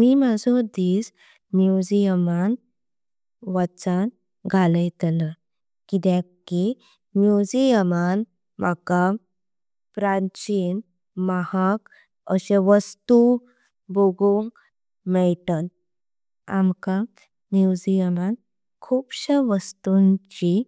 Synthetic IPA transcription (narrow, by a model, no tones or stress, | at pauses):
mimad͡zʱɔd̪iːs | mjud͡ʑijəman | ʋat͡san | ɡʱaləjt̪lə | kit̪jãki | mjud͡ʑijəman | maka | pɾat͡ɕin | mahak | əɕẽʋəst̪u | boɡuŋɡ | mɛɭʈat̪̚ | a̰mka | mjud͡ʑijəman | kʰuːpɕəʋəst̪uɲt͡ɕi